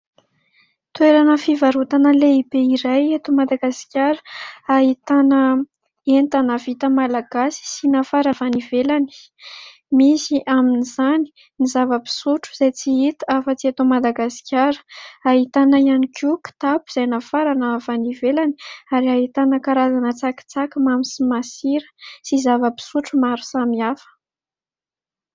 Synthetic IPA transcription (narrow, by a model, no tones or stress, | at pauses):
t̪weɾanəfivaɾut̪anəleibeiɾajet̪umad̪aɡasi̥kʲaɾə̥aɦit̪anə | ent̪anavit̪əmalaɡ̥asi̥sinafaɾavanivelani̥ | misiʔaminiz̥ani̥ | nizavəpi̥suʈ͡ʂuz̥ajt͡siit̪afət͡siat̪omad̪aɡasi̥kʰʲaɾə̥aɦit̪anəijanikʰuki̥t̪apu̥z̥ajnafaɾanəvanivelaniaɾiaɦit̪anəkaɾazanət͡saki̥t͡sakimamisimasiɾə̥sizavəpi̥suʈ͡ʂumaɾu̥samiafə̥